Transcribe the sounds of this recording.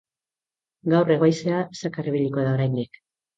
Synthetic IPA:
ɡawre̞ɣ̞ojseasakariβiʎiko̞ðao̞ɾajnd̪ik

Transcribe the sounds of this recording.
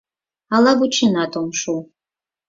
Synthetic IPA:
alaɡʷut͡ʃʰɪnatʰʼomʂu

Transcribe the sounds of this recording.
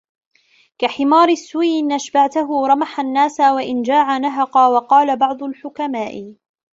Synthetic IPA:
kaħɪmɑːɾˤɪsːuwiʔɪnʔaʃbaʕt̪ʊɦʊɾˤɑmaħanːaːsawaʔɪnd͡ʒaːʕanaɦɑqɑwɑqɑːlabɑʕd̪ˤʊlħʊkamaːʔɪ

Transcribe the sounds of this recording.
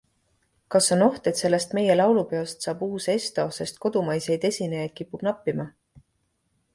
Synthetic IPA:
kɑso̞no̞ht̪e̞t̪se̞lːe̞st̪me̞je̞lɑwlupe̞ost̪sɑːbuːse̞st̪o̞ːse̞st̪̚ko̞d̪̥umɑjse̞jd̪e̞sʲinejɑjd̪̥̚kipːub̥nɑpːˑimɑ

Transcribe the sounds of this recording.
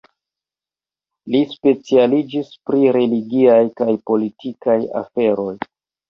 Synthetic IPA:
lispe̞t͡sialid͡ʒispɾiɾe̞liɡiajkajpo̞litʰikaja̰fe̞ɾo̞j

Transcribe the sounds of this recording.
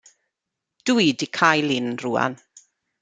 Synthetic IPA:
d̥uidikʰajlɪnruːa̰n

